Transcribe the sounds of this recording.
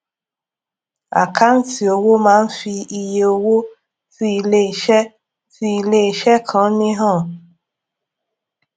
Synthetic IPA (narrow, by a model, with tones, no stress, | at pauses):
a̰˨kʰa˦n̩˦ti˨o˨wo˦mãː˦n̩˦fi˧i˧je˨o˨wo˦ | fi˦i˨le˦˨ʃɛ˦ | fi˧i˨le˦˨ʃɛ˦kʰã˨˦nĩ˦ɦɔ̃˦˨